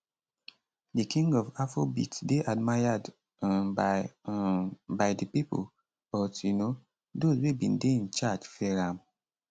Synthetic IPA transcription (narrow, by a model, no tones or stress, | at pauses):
dəkĩŋɡɔvafobḭtdeʔad̚majad | bajdəpipo̰l | b̥ɔtjuno | dozwebĩndeĩnt͡ʃad͡ʒfɛɹãm